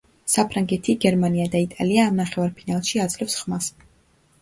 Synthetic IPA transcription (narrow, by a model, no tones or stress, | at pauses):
sapʰɾaŋɡɛt̪ʰiɡɛɾmaniad̪ait̪ʼa̰liaːmnaχɛvaɾpʰinalˠʃiad̪zlɛfsχmas